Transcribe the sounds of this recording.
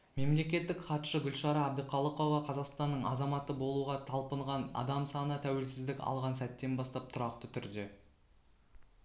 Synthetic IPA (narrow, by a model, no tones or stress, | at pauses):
me̞mle̞kʲe̞t̪ːɪkχɑt̪ʃəɡʲʏlʃɑɾɑːb̚d̪əqʰɑlˠəqo̞vɑqʰɑzɑqst̪ɑnːəɴɑzɑmɑt̪əbo̞lˠuʁɑt̪ʰɑlˠpəɴʁɑnɑ̰d̪ɑmsɑnət̪ʰæwe̞lsɪzd̪ɪkʲɑ̰lˠʁɑnsæt̪ːe̞nbɑst̪ɑp̚t̪ʰʊɾɑqt̪ət̪ʰʏɾd̪e̞